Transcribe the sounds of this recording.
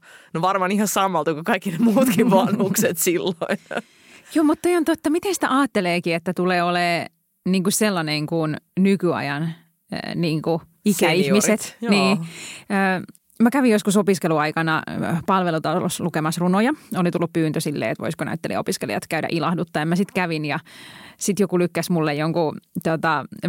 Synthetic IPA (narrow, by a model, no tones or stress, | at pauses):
noʋɑrmɑːnihɑsɑmːɑlt̪ukukɑikːinemuːt̪kiʋɑnhuksset̪silːoin | joːmut̪t̪ojont̪ot̪ːɑmit̪ensi̥t̪æ̰ʔɑːt̪ːeleːkiet̪ːæt̪uleːoleː | niːŋkuselːɑneŋkunnykyɑ̰jɑn̰ | niːŋku | ikæihmiset̪niːøː | mækæʋijoskusopiskeluɑikɑnɑ̰pɑlʋelut̪ɑl̰lo̰slukemɑsrunojɑolit̪ulːuppyːnt̪øsilːḛːḛt̪ʋo̰iskonæ̰yt̪ːelḭopiskelḭɑ̰t̪kæydæ̰ʔilɑhdut̪ːɑemæsit̪kæʋinjɑsit̪jokulykːæsmulːejjoŋkut̪ot̪ɑ